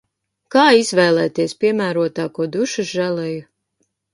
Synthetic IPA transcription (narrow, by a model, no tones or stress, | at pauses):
kaːizvɛːlˠɛːt̪iɛspʲiɛmæːɾuɔt̪aːkuɔd̪uʃuʒælɛju